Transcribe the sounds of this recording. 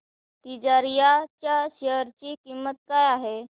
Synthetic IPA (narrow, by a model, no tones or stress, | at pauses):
t̪id͡ʑaɾijat͡ɕjaɕeəɾt͡ɕiːkimːət̪̚kajaɦe